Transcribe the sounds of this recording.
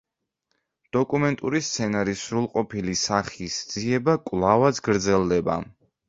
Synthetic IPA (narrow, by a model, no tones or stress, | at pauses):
d̪̥ɔkʼumɛnt̪ʼuɾist̪sʰɛnaɾisɾulˠqʼɔpʰilisaχisd̪z̥iɛbakʼwvlˠavad̪sɡɾd̪zɛlˠd̪ɛba̰